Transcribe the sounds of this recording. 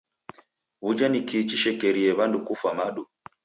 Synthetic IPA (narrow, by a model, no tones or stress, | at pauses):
βud͡ʒanikʰit͡ʃiʃɛkɛɾiɛβandukufwamaɗu